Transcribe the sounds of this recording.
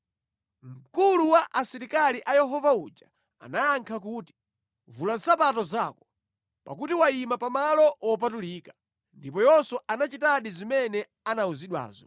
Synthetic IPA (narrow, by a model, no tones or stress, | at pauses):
m̩kuluwaʔasiɾikaliʔajɛɦɔvaud͡ʒa | a̰najaŋkʰak̬uːti̥ | vulan̩sapatɔzaːkɔ̥ | pa̰k̬utiwaimapamalɔɔp̬atuliːkḁ | ndip̬ɔjɔsɔanat͡ʃitaɗizimɛnɛ | anauziɗwa̰ːzɔ̰